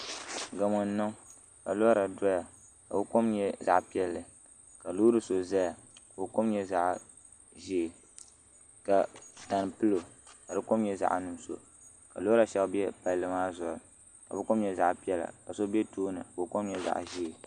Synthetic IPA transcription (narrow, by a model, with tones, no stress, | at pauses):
ɡa˨mɔ˨n˦nɨ˦ŋ | ka˨lo˦a˦ɾa˨dɔ˦ja˨ | ka̰˨bɨ˦ko˦mɲɛ˦za̰˨ʔpi˦ɛ˦lːɨ˨ | ka˨lu˦ɾɨ˨so˨za˦ja˨ | ko˨ko˦mɲɛ˦za˦ʔ | ʒi˦˨ | ka˨ta˨n˨pɨ˦lo˨ | ka˨dɨ˦ko˦mɲɛ˦za̰˨ʔnɨ˨m˦so̰˨ | ka̰˨lo˦a˦ɾa˨ʃɛ˦bɛ˦pa˨lːɨ˨maː˦zʊ˨ɾɨ˨ | ka̰˨bɨ˦ko˦mɲɛ˦za̰˦ʔpi˦ɛ˦la̰˨ka˨so˦bɛ˦toː˦nɨ̰˨ko˨ko˦mɲɛ˦za̰˨ʔʒi˦˨